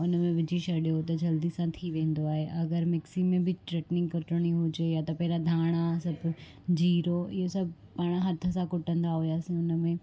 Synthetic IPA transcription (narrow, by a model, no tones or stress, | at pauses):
ʊnmẽʋɪd͡ʑiʃɐɗijot̪ɐd͡ʑɐld̪isãt̪ʰiʋẽːn̆d̪oaːɦeʔɐɡəɾmɪksimẽbɪʈɾeːʈnɪ̃ŋkʊʈəɽ̃iɦʊd͡ʑejat̪ɐpɐɦɪɾad̪ʱaːɽ̃asɐbʱ | d͡ʑiːɾoʔɪɦosɐbʱ | paːɽ̃ɦɐt̪ʰə̆sãkʊʈə̃nd̪aɦʊjaːsĩʊnəmẽ